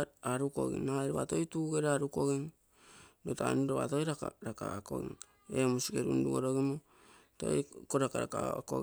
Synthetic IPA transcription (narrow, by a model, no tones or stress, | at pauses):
aɾuko̞̰ɡḭŋajɾoβa̰tojtuːɡeɾaɾuko̞ɡiŋ | nota̰niɾoβa̰tojɾaka̰ɾaka̰ako̞̰ɡḭŋ | emusikeɾunduɡoɾo̞ɡimo | to̰jkoɾakaɾaka̰ko̰